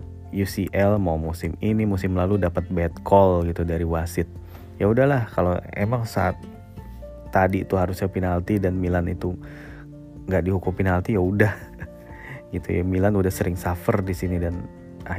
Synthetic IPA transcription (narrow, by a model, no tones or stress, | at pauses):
jusiʔɛlmawmusɪminimusɪmlaludapat̪̚bɛt̪̚kʰɔlɡit̪udaɾiwasɪt̪̚ | jaudahlahkaloḛmaŋsa̰at̪ː | adit̪uɦaɾʊsɲapinalt̪idanmilanit̪u | ŋɡaʔdiɦukupinalt̪ijaudah | ɡit̪ṵja̰milanudahsəɾɪŋsafərdisinidan | ʔa